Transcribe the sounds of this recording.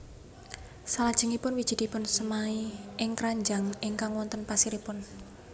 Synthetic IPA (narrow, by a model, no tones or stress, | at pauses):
salad̥ʒ̥ə̤ŋipʊnwid̥ʒ̥i̤d̪̥i̤pʊnsəmaiʔɪŋkɾaɲd͡ʒaŋʔɪŋkaŋwɔnt̪ənpasiɾipʊn